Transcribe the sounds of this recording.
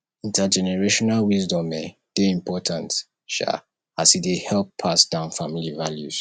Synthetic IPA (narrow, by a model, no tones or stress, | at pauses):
ĩntad͡ʒɛnɛɹeʃɔnalwizdɔ̃mɛd̥eĩmpʰɔtʰãnt | ʃa̰ | asidehɛlpʰːasd̥ãʊ̃nfamilivaljṵz̥